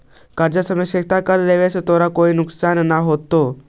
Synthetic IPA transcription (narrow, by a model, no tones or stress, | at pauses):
kaɾd͡ʑasəmeɕek̚t̪akalleʋesət̪oɾakoinuksannaɦot̪ːo